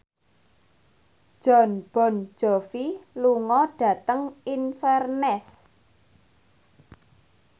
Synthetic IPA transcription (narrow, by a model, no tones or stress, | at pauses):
ʒ̥ɔnb̥ɔ̤n̥d͡ʒ̥ɔ̤filuŋɔɖ̥ä̤t̪əŋinfɛrnɛs